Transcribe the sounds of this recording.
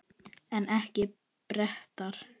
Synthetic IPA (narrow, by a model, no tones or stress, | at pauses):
ɛnɛhcɪ | pɾɛht̪aɾ̥